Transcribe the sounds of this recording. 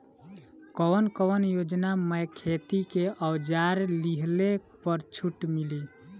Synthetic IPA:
kɔwənkəʋənjod͡ʒnaməjkʰet̪ikeəwd͡ʒaɾliɦlepəɾt͡ʃʰuʈmili

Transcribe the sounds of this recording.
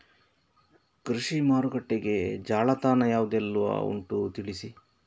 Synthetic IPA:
kɾiʂimaːɾuɡɐʈːeɡe̞d͡ʒaːɭɐt̪aːnɐjaːʋud̪ɛlːuʋɐ̰ṵɳʈut̪iɭisi

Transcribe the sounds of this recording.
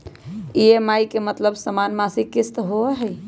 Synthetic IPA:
iemajkemət̪ləbsəmanmasikist̪ɦoɛɦəj

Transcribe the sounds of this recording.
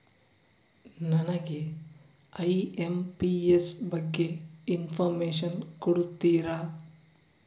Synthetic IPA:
nɐnɐɡe | ɐjempiesbɐɡːeinpʰɐɾmeːʃ̬ɐnkuɽut̪ːiːɾa

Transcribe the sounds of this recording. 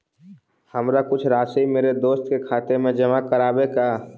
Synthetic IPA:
həmɾakʊt͡ʃʰɾaːsəimeːɾed̪oːst̪kekʰaːt̪emẽd͡ʒəmakəɾaːbekaː

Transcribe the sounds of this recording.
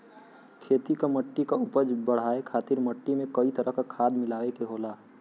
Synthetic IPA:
kʰeːt̪ikaməʈːikaʊpəd͡ʒbəɽ̤aːekʰaːt̪ɪɾməʈːimẽkɐit̪əɾəɦkakʰaːd̪mɪlaːʋekeɦoːlaː

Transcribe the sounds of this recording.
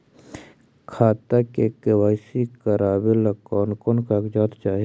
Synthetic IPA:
kʰaːt̪akekewaːsikəɾaːbelɐkɔːnkonkakd͡ʒaːt̪t͡ʃaːɦi

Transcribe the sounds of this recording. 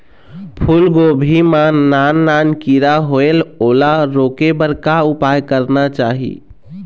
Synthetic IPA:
pʰulɡobʱimanːanːankiɾaɦoelolaɾokebəɾkaupajkəɾnat͡ʃaːɦḭ

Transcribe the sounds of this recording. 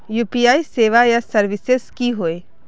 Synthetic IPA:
juːpijaːiseːʋajasɐɾʋɪseskiɦoːe

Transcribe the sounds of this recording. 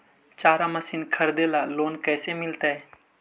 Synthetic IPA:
t͡ʃaːɾaməsinkʰəɾd̪elaːloːnkɛːsemɪlt̪aːɦeː

